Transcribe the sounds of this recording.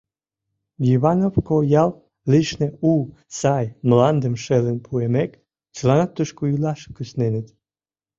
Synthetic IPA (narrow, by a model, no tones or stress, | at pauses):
jiβɑnofkojɑlˠ | liʃneu | sɑjmlɑnd̪əmʃelənpʰuemek | t͡ʃəlɑnɑt̪ːəʃkuilɑʃkysnenet̪